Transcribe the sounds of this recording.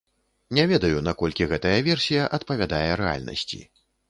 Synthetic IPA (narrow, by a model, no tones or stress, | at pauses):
nʲɛvʲɛd̪ɐjunakɔlʲkʲiɣɛt̪ɐjɐvʲɛrsʲijɐʔɐt̪pɐvʲad̪ajɛɾɛa̰lʲnɐ̰sʲt͡sʲḭ